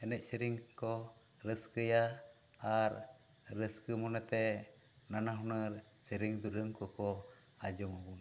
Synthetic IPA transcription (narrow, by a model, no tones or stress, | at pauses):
ɛnɛc̚səɾiŋkɔɾəskəjaaɾɾəskəmɔnət̪ɛnanaɦunəɾsəɾiŋd̪uɾəŋkɔkɔad͡ʒɔmabu